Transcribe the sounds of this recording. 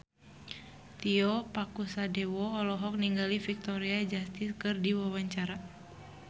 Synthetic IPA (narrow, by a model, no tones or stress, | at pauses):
t̪iɔpakusadɛwɔːlɔɦɔk̚niŋɡalifik̚t̪ɔɾiad͡ʒast̪ɪskɨrdiwawaɲt͡ʃaɾa